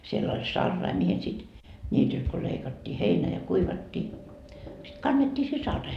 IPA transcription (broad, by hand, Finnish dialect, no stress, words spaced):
sielː olʲ sɑrːɑi mihin sit nʲiːtylt ko leikɑtːiː heinæ jɑ kuiʋɑtːiː sit kɑnːetːiː se sɑrːɑihe